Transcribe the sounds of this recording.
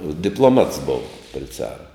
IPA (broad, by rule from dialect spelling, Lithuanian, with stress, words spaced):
dʲɪplˠoːˈmɐts ˈboːʋɐ pʲrʲɪ ˈt͡sɑːrɐ